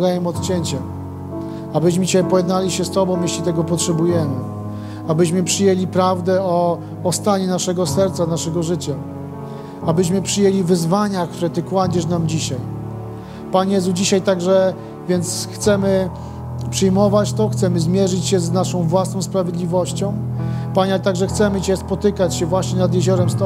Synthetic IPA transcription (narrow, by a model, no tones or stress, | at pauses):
d̪ajɛmɔt̪t͡ɕɛɲt͡ɕa | abɘɕmɘt͡ɕɛpɔjɛd̪nalʲiɕɛst̪ɔbɔ̃w̃jeɕlʲit̪ɛɡɔpɔtʂɛbujɛmɘ | abɘɕmɘpʂɘjelʲipɾavd̪ɛɔː | st̪aɲɛnaʂɛɡɔsɛɾt̪sanaʂɛɡɔʐɘt͡ɕa | abɘɕ̬mɘpʂɘjelʲivɘzvaɲakt̪uɾɛt̪ɘkwad͡ʑɛʂnamd͡ʑiɕaj | paɲjɛzud͡ʑiɕajt̪aɡʐɛ | vʲjɛnt̪sxt̪sɛmɘ | pʂɘjmɔvat͡ɕt̪ɔxt̪sɛmɘzmʲjɛʐɘt͡ɕɕɛznaʂɔ̃w̃vwasnɔ̃w̃spɾavʲjed̪lʲivɔɕt͡ɕɔ̃w̃paɲat̪aɡʐɛxt̪sɛmɘt͡ɕɛspɔt̪ɘkat͡ɕɕɛvwaɕɲɛnad̪jeʑɔɾɛmst̪ɔ